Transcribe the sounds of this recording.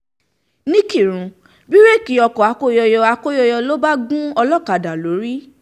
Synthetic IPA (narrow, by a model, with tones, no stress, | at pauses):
nĩ˦ki˦˨ɾ̃ũ˨˧ | bi˦ɾe˦˨ki˨˦ɔ˧kɔ˨a˨˧ko˦jɔ˧jɔ˧a˧ko˦jɔ˧jɔ˧lo˦ba˦ɡũ˦ɔ˧lɔ˦˨ka˨da˨lo˨˦ɾi˦